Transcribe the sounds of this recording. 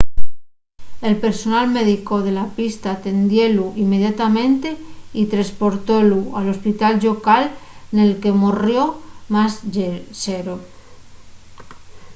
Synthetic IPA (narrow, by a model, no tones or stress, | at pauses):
e̞lpe̞ɾso̞nalme̞ðiko̞ð̞e̞lapist̪aːt̪e̞nd̪je̞luime̞ð̞jat̪amẽ̞nt̪e̞it̪ɾaspo̞ɾt̪o̞lualo̞spit̪alʎo̞kalne̞lke̞morjo̞masʝeseɾo